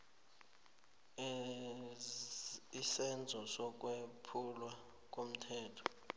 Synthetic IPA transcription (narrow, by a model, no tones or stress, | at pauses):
isɛnd͡zʱɔsɔk̬ʼwepʰulwa | k̬ʼom̩tʰɛːtʰɔ̥